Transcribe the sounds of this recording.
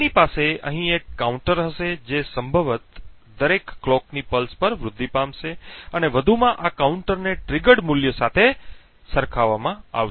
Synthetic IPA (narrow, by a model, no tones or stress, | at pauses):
nipaseə̰̃ɦĩekːauɳʈəɾɦəʃed͡ʒesəmbʱəʋət̪ | d̪əɾekːlɔknipəlspəɾʋɾʊd̪ʱːipamʃeəneʋəd̪ʱumãʔakauɳʈəɾneʈɾɪɡəɽmuljosat̪ʰe | səɾkʰaʋamãa̰ʋʃ